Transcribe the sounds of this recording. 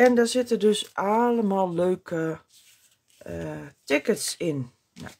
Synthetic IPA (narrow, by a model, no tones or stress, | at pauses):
ɛndɔsɪtədøsʔaləmalˠløːkʰə | tɪkətsɪn̰